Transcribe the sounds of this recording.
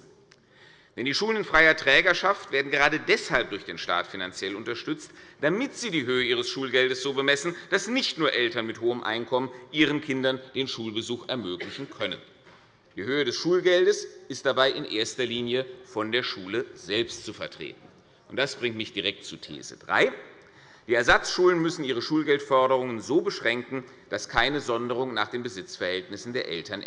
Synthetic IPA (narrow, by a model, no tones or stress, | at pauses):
vɛndiːʃuːlənɪnfʁ̥aɪɐtʁ̥ɛːɡɐʃaftv̥eːɐdn̩ɡəʁaːdədɛshalp̚d̥ʊɐçd̥eːnʃta̰ːtfinant͡sjɛlʊntɐʃtʏt͡std̥amɪtz̥iːdiːɦøːəiːʁ̞əsʃuːlɡɛldəsz̥oːbəmɛsn̩d̥asnɪçtnuːɐʔɛltɐnmɪthoːəmʔa̰ɪnkʰɔmənʔiːʁ̞ənkʰɪndɐnd̥eːnʃuːlbəzuːxɛɐmøːklɪçn̩kʰœnən | d̥iːhøːədɛsʃuːlɡɛldəsɪstd̥abaɪʔɪnʔḛːɐstɐliːnjəfɔndeːɐʃuːləz̥ɛlpstt͡sufɛɐtʁ̥ḛːtn̩ | ʔʊnt̚d̥asb̥ʁɪŋtmɪçtd̥iʁɛk̚tt͡sutʰḛːzə̰dʁa̰ɪ | d̥iːɛɐzat͡sʃuːlənmʏsn̩ʔiːʁ̞əʃuːlɡɛltfɔɐɾəʁ̞ʊŋənzoːbəʃʁ̥ɛŋkŋ̩ | d̥askʰaɪnəzɔndəʁ̞ʊŋnaːχd̥eːnbəzɪt͡sfɛɐhɛltnɪsn̩deːɐʔɛ̰ltɐn